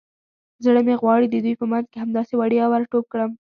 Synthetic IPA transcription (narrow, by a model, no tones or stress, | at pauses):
zɽəmeɣwɑɽid̪əd̪ujpəmanzkeɦamd̪ɑsewaɽjɑwəɾʈob̚kɽəm